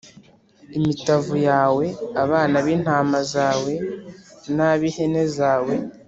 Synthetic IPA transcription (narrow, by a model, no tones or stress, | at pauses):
imitavujaːwe̞aβaːnaβiːn̥haːmazaːwe̞ | naβihe̞ne̞zaːwe̞